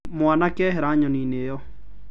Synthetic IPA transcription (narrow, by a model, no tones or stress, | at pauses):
mwanakɛɦeɾaɲɔninejɔ